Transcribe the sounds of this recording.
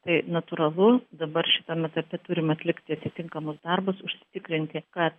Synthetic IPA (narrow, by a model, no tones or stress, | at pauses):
t̪ɐɪnɐt̪uɾɐlˠʊd̪ɐbɐrʃʲɪt̪ɐmʲɛt̪ɐpʲɛt̪ʊɾʲɪmɐt̪ʲlʲɪkt̪ʲɪɐt̪ʲɪt̪ʲɪŋkɐmʊsd̪ɐrbʊsʊʃʲsʲɪ̥t̪ʲɪkɾʲɪnʲt̪ʲɪkɐt̪